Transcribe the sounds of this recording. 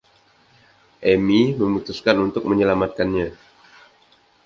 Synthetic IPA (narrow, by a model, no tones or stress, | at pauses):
ʔɛmiməmut̪uskanunt̪ʊk̚məɲəlamat̪̚kanɲa